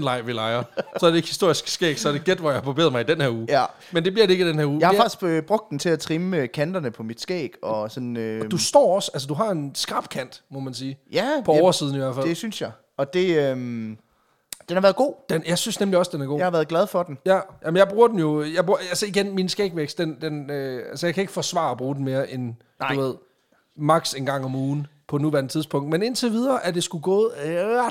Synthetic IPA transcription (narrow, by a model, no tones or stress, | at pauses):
nlɑ̈ɪ̰ʋilɑ̈ɪɐsɒ̽æɐdeɡ̥hisd̥o̝ɐ̰isɡ̥sɡ̥ɛ̰ːɡ̥sɒɐd̥eɡ̥ed̥ʋɒjähɑ̈pʰobe̝̰ːð̩ˠmɑ̈id̥enheɐ̰uːjæ | mend̥e̝bliɐɾee̝ɡ̥id̥enheɐ̰uːjhɑɑ̈ɡ̥isɡ̥øb̥ʁɔ̽ɡ̥̚d̥ent͡sʰe̝læt͡sʰʁimkʰænd̥ɐnəpʰɒ̽mid̥sɡ̥ɛ̰ːɡ̥ɒ̽sɒ̽nød̥usd̥ɒ̰ːɒ̽sæls̬əd̥uɦɑ̈e̝nsɡ̥ɑ̈b̥kʰæn̰d̥mɔmænsiːjæpʰɒ̽ɒʊɐsiːðˠn̩iʋæɐfælde̝synsjɑ̈ɪ | ɒ̽d̥e̝øm | d̥enhɑ̈ʋæːɐð̩ˠɡ̥o̝̰ːd̥enjɑ̈ɪsynsnemliɒ̽sd̥enæɐɡo̝̰jhɑʋæːɐðˠɡlɛð̞ˠfɒd̥enjæjæmənjɑ̈ɪb̥ʁuːɐd̥em̩jo̝jɑ̈ɪbʁuɐælsəiɡ̥enminsɡ̥eɡ̥ʋeɡ̥sd̥end̥enøælsəjaɪkʰæe̝ɡ̥ə̥fɒ̽sʋɑ̰̈ːɒb̥ʁuːden̩me̝ːɐʔen | uʋe̝ð̞̰ˠ | mɑ̈ɡ̥se̝nɡ̥ɑ̈ŋ̰ɒ̽muːn̩pʰɒ̽nuʋæɐnət͡sʰiðˠspʰɔ̽ŋ̰d̥mene̝nt͡sʰeʋið̞ˠɐːʔæɐd̥e̝sɡ̥uɡ̥ɔ̰ːð̩ˠ